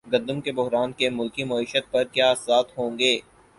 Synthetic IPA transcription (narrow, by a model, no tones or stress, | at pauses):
ɡɐ̃d̪əmkebʊɦɾaːnkemʊlkimʊiːʃət̪̚pɐɾkjaːsaːt̪ɦõːŋɡeː